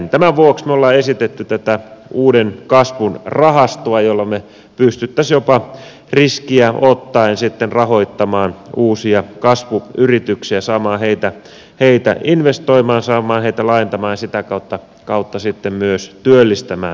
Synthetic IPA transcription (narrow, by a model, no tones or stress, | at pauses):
t̪æmæʋuoksmeolːɑːesit̪et̪ːyt̪æt̪æuːdenkɑsʋunrɑhɑst̪oɑjolːɑme | pyst̪yt̪ːæsjopɑ | riskiæʔot̪ːɑinsit̪ːenrɑhoit̪ːɑmɑːnuːsiɑkɑsʋuyrit̪yksiæsɑːmɑːheit̪æ | heit̪æ̰ʔinʋest̪oimɑːnsɑːmˑɑːnheit̪ælɑint̪ɑmɑːjɑsit̪ækɑut̪ːɑ | kɑut̪ːɑsit̪ːemmyøst̪yølːist̪æmæ̰ː